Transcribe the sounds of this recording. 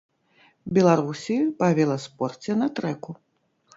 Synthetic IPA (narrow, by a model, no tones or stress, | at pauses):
bʲɛlˠaɾusʲipavʲɛlˠɐspɔrt͡sʲɛnɐt̪ɾɛku